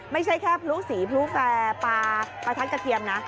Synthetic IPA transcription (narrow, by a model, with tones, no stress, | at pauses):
ma˥˩jt͡ɕʰa˥˩jkʰɛː˥˩pʰlu˦˥siː˩˦pʰluː˦˥fɛː˧paː˧pa˧t̪ʰa˦˥nka˧k̪ʰi˧əmna˦˥